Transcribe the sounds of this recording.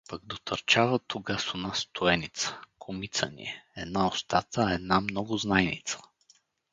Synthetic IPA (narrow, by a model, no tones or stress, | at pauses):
pəɡd̪ot̪əɾt͡ʃavət̪ʰoɡasonast̪ʰʊɛnit̪sə̥kʰomit̪sə̰nḭɛɛd̪naost̪at̪əɛd̪namnɔɡʊznajnit̪sə̥